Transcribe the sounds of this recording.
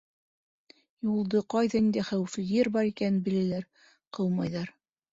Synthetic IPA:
julˠd̪ɤqɑjðɑnind̪æχæwɘ̆fɘjɘɾbɑɾikænnbɘ̆læ̆læɾ | qɤlˠmɑjðɑɾ

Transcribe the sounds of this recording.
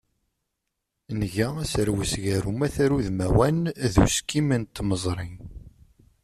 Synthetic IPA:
nʝææsəɾwəsʝæɾumæθæɾuðmæwænðṵskimənt̪məzˤɾˤin

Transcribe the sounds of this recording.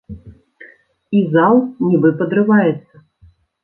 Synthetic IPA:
izalˠnʲibɨpɐd̪ɾɨvajɛt̪sːɐ

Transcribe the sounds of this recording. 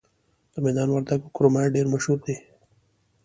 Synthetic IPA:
d̪əmed̪ɑːnwaɾd̪akokɾomaɖeɾmaʃɾut̪̚d̪e

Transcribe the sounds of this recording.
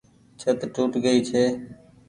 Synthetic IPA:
t͡ʃʰət̪ʈuːʈɡəiːt͡ʃʰeː

